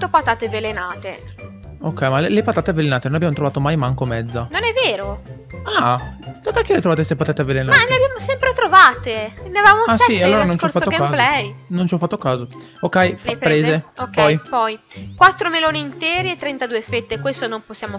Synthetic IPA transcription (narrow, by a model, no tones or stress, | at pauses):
t̪ːopat̪aːt̪evelenaːt̪e | okːɛjmalelepat̪aːt̪evelenaːt̪enonabjamot̪ɾovaːt̪omajmaŋkomɛd̪zːanonɛvːeːɾo | ad̪akakːelet̪ɾovat̪est̪epat̪aːt̪evelenamaleabjaːmosɛmpɾet̪ɾovaːt̪eneavaːmosialːoːɾanõnnt͡ʃɔfat̪ːekalɛjnont͡ʃɔfːat̪ːokaːzo | okːɛjflpɾeːzzeokːɔjpɔjkwat̪ːɾomeloːniːnt̪ɛːɾiet̪ːɾent̪ad̪uːefet̪ːekwest̪onomposːjaːmo